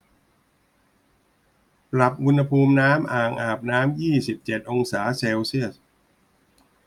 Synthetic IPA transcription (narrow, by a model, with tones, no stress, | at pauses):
pɾa˨˩p̚ʔu˧nha˧pʰuː˧mnaː˦˥mʔaː˨˩ŋʔaː˨˩p̚naː˦˥mjiː˥˩si˨˩p̚t͡ɕe˨˩t̪̚ʔo˧ŋsaː˩˦seː˧wsi˥˩əs